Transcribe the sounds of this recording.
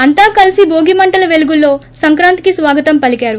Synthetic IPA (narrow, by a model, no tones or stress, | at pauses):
ɐnt̪aːkɐlisibʱoːɡimɐɳʈɐlɐʋeluɡulːo̞ːsɐŋkɾaːnt̪i̥kisʋaːɡɐt̪ɐmpɐlikaːɾu